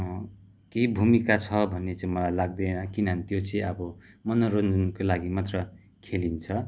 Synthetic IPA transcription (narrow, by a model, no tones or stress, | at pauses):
keibʱumikat͡sʰʌbʱʌnːet͡saĩmʌlajlaɡ̚d̪enakinʌɦʌnit̪jot͡sʌĩʌbʌ | mʌnʌɾond͡zʌnkolaɡimat̪rʌ | kʰelint͡sʰʌ